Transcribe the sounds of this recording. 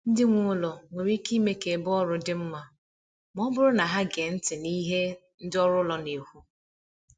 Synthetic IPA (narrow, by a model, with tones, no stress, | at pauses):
n̩˦dɪ˦ŋʷʊ˦ʊ˦lɔ˨ŋʷe˨ɾi˦ki˦me˦ke˨bɔ˦ɾʊ˦dɪ˦m̩˦ma˨ | m˦ɔ˦bʊ˦ɾʊ˦na˨ɦa˦ɡe˨n̩˦tɪ˨ni˦ɦe˦ | n̩˦dɪ˦ɔ˦ɾʊ˦lɔ˨ne˨hu˦